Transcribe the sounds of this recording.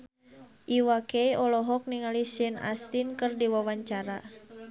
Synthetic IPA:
ʔiwakejɔlɔɦɔk̚niŋalisɛna̰st̪inkɨrdiwawaɲt͡ʃaɾa

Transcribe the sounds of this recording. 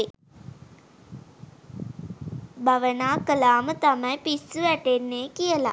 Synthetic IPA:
bʱaʋənaːkəlaːmət̪amɐjpisːuʋæʈenːeːkijəla̰

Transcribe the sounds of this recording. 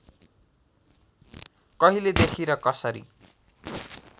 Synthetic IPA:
kʌɦiled̪ekʰiɾʌkʌsʌɾḭ

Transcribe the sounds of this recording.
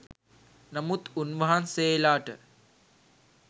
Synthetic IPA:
nɐmut̪unʋəɦanseːlaːʈə

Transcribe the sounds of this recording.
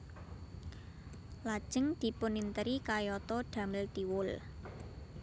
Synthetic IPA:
lad̥ʒ̥əŋd̪̥i̤pʊnint̪əɾikajɔt̪ɔɖ̪̥a̤mɪlt̪iwʊl

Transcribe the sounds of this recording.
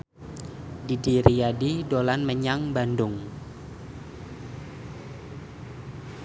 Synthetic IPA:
didiɾijadidolanməɲaŋbandʊŋ

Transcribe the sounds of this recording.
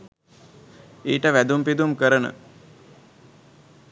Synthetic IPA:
eːʈəʋæd̪umpid̪umkəɾənə̰

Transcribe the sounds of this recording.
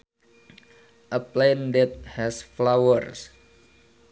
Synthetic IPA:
ʔəplɛndɛt̪̚hɛsflawərs

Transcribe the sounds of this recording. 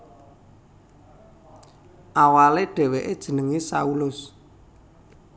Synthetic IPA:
ʔawaleɖ̥ɛ̤weʔed̥ʒ̥ə̤nəŋisaulʊs

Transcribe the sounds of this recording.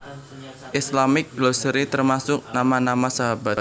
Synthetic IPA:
ʔɪslamɪk̚ɡ̥losəɾit̪ərmasʊk̚namanamasaɦaba

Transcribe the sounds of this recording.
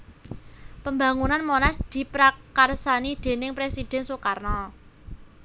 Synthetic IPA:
pəmba̤ŋunanmonasd̪̥i̤pɾakarsanid̪̥e̤nɪŋpɾesid̪̥ɛ̤nsokarnɔ

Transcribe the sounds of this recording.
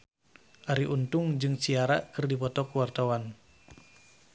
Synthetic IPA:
ʔaɾiʔunt̪ʊŋd͡ʒɨŋsiaɾa̰ʔkɨrdipɔt̪ɔkuwart̪awan

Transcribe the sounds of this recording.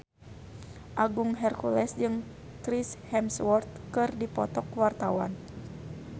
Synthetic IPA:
ʔaɡuŋɦɛrkulɛsd͡ʒɨŋ | kɾishɛmswɔrt̪̚kɨrdipɔt̪ɔkwart̪awa̰n

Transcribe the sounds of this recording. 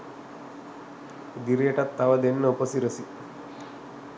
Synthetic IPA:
d̪iɾeʈat̪ːaʋad̪enːəupəsiɾəsi

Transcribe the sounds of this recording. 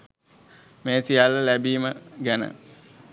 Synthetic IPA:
meːsijalːəlæbiːməɡænə̰

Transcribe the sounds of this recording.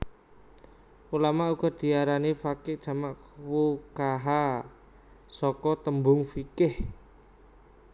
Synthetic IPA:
ulamauɡ̥ɔ̤d̪̥i̤aɾanifakɪʔdʒ̥a̤maʔ | wukaɦa | sɔkɔt̪əmbʊŋfikɪh

